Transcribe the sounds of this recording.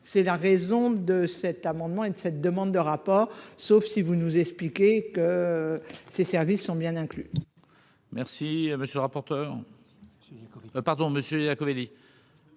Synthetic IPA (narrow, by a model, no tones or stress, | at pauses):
sɛlaʁezɔ̃d̪əsɛt̪amɑ̃d̪mɑ̃ed̪əsɛt̪̚d̪əmɑ̃d̪d̪əʁapɔːʁsofsivunuzɛksplikʲekə | sesɛʁvisːɔ̃bjɛ̃nɛ̃kly | mɛʁsiməsjələʁapɔʁt̪œːʁ | paʁd̪ɔ̃məsjøjakoveli